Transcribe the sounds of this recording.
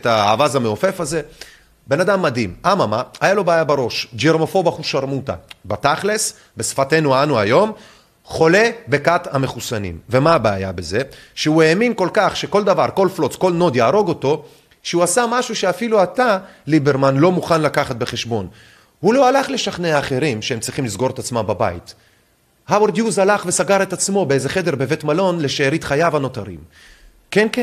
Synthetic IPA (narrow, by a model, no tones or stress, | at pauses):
t̪aa̰ːvazameofe̞faze̞ | be̞nad̪amːad̪imamamaajalo̞beːjabaʁo̞ʃd͡ʒeʁmo̞fo̞baχuʃaʁmut̪a̰bat̪aχles | be̞sfate̞nuanuajo̞m | χo̞le̞be̞kathame̞χusanḭmve̞maːbaːja̰be̞ze̞ʃeue̞ːminko̞lkaχʃe̞ko̞ld̪avaʁko̞lflo̞t͡skolno̞d̪jaːʁo̞ɡo̞t̪o̞ | ʃeuasamaʃuʃeafiluat̪alibeʁmanlo̞muχanlakaχat̪̚be̞χe̞ʃbo̞n | hulo̞alaχle̞ʃaχneaːχe̞ʁimʃeemt͡sʁiχimlizɡo̞ʁet̪at͡smambaba̰ḭt | haweɾd̪juzalaχve̞saɡaʁet̪at͡smo̞beeze̞χe̞d̪e̞ʁbe̞ve̞t̪malo̞nle̞ʃeːʁit̪χajavano̞t̪aʁḭm | kenke